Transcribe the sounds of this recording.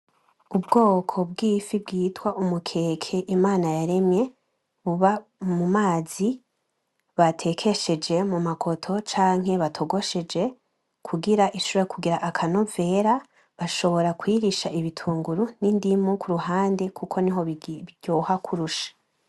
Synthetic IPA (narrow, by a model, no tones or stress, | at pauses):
ubɡo̞ːkʰo̞b̚ɡiːfib̚ɡiːtwaʔumukʰe̞ːkʰe̞ʔimaːnajaɾe̞mɲe̞ | βuβamumaːzi | βatʰe̞kʰe̞ʃe̞d͡ʒe̞mumakʰo̞tʰo̞t͡ʃaːŋ̥ɦe̞βatʰo̞ɡo̞ʃe̞d͡ʒe̞ | kʰuɡiɾaʔiʃuβoekʰuɡiɾaʔakʰanove̞ɾa | βaʃo̞βo̞ɾakwiːɾiʃaʔiβitʰuːŋɡuɾunindimukʰuɾuɦaːnde̞kʰukʰo̞niɦoɟ̥oːhakʰuɾuʃḁ